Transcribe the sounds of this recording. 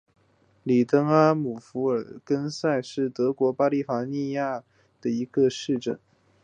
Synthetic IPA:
li˨˩t̪ə˥ŋa˥nmu˨˩fu˧˥ə˞˨˩kə˥nsa˥˧ɪʂɻ̩˥˩t̪ɤ˧˥kwɔ˧˥pa˥li˥˩fa˧˥ni˥˧ja˥˩ | d̪̥ə˩i˧˥ɡə˧ʂɻ̩˥˧ʈ͡ʂə˥˩n

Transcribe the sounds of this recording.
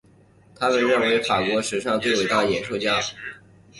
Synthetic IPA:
t̪ʰa˥mə˨nɻə˥˩nwe˧˥ɪfa˨˩kwɔ˧˥ʂɻ̩˧˥ʂɑ˥˧ŋt͡s̪we˥˩ɪwe˨˥˩ɪt̪ɑ˥˩ʊjɛ˨˩nʂɤ˥˧ʊt͡ɕja˥˩

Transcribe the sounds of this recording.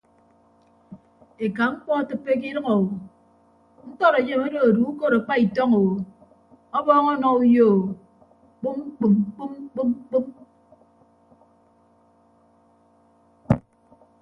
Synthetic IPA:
e˨ka˨ŋ͡m̩˦k͡pɔ˦˨tɨ˦pːe˦k̬i˦ɾʌ˦ŋɔ˨wo˨ | ŋ̩˦k͡pɔ˦ɾe˨je˦˨me˦do˨o˨du˨˦u˦ko˦ɾa˨k͡pa˦i˨tɔ˦ŋo˨wo˨ | ɔ˦bɔː˦ŋɔ˦nɔ˨u˦joː˦˨ | k͡pu˦m˦k͡pu˨mk͡pu˦mk͡pu˦m˦k͡pu˦m

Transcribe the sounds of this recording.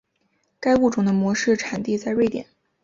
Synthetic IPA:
ka˥ɪu˥˩ʈ͡ʂʊ˨˩ŋd̪ə˦mwɔ˧˥ʂɻ̩˥˩ʈ͡ʂʰa˨˩nt̪i˥˧t͡sa˥˧ɪwe˥˩ɪt̪jɛ̰˨˩˦n

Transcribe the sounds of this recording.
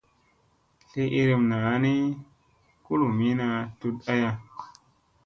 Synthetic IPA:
ɬe˦ʔi˧ɾi˧mna˨˦ni˦ | ku˦lu˨mi˦na˧tu˧ta˦ja˧

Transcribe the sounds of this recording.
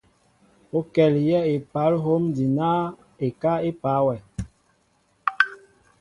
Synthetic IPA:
o˦kɛ˨ljɛ˦e˨pa˨˦lɦo˦mdi˨na˦ | e˨ka˦e˦pa˨˦wɛ˨

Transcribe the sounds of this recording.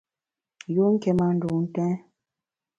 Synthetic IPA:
jo˦ŋ̩˦kɛ˨ma˦n̩˦do˨n̩˦tɛ̃˦

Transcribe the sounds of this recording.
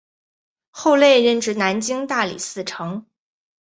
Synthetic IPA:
xo˥˧ʊle˥˧ɪɻə˥˩nʈ͡ʂɻ̩˥˩na˧˥nt͡ɕi˥ŋt̪a˥˩lḭ˨˩sɹ̩˥˩ʈ͡ʂʰɤ˧˥ŋ

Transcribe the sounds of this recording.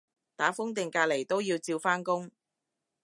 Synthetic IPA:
t̪aː˨˥fʊ˥ŋt̪̬ɪ˨ŋkaː˧le˨˩jt̪o˥wjiː˧wt͡siː˧wfaː˥nkʊ˥ŋ

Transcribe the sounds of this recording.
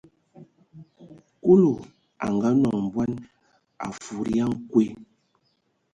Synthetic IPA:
ku˦lo˨ | a̰˨ŋɡa˦nɔ˨ŋm̩˨bwa˦n | a̰˨fu˨ɾi˦a˦ŋ˦kwe˦

